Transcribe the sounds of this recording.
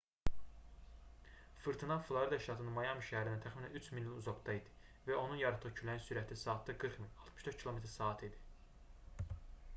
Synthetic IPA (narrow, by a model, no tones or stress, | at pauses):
fɯɾt̪ʰinɑflˠɑɾid̪ɑiʃt̪ɑt̪ʰɯnɯnmɑjɑmiʃæhæɾinæt̪ʰæxminæ̰nyt͡ʃʰminliuzɑɡd̪ɑid̪i̥ | væo̞nunjɑɾɑt̪ʰːɯʁɯcʰylæninsyɾæt̪ʰisɑːt̪d̪ɑɡɯɾχminɑlˠt̪ʰmɯʃd̪øɾt̪cʰilˠo̞met̪ʰɾsɑːt̪ʰid̪i̥